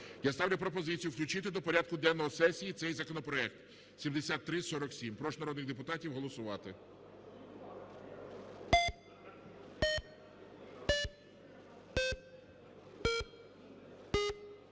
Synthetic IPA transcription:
jast̪ɑwlʲɐpɾɔpɔzɪt͡sʲijʊwklʲʊt͡ʃɪt̪ɪd̪ɔpɔɾʲad̪̚kʊd̪ɛnːɔɦɔsɛsʲijit̪sɛjzɐkɔnɔpɾɔɛk̚t̪ | sʲimd̪esʲat̪ːɾɪsɔɾɔksʲimpɾɔʃnɐɾɔd̪nɪɣd̪epʊt̪ɑtʲiwɦɔlˠɔsʊʋɑt̪ɪ

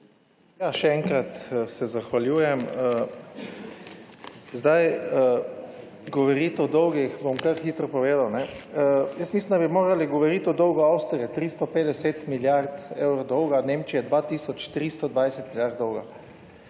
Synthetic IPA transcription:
jaʃɛɛŋkɾat̪sɛzaxʋaljuːjɛmə | zd̪ajə | ɡɔʋɔɾit̪ɔd̪ɔwɡixbomkaɾxiːt̪ɾɔpɔʋeːd̪awnɛ | jəsmislind̪abimoːɾaliɡɔʋɔɾit̪ɔd̪ɔwɡɔawst̪ɾiɛt̪ɾist̪ɔpeːd̪ɛset̪miljaɾt̪ewɾod̪ɔwɡaneːmt͡ʃijɛd̪ʋat̪iːsɔt͡ʃt̪ɾist̪ɔd̪ʋajsɛt̪miljaɾt̪̚d̪ɔwɡa̰

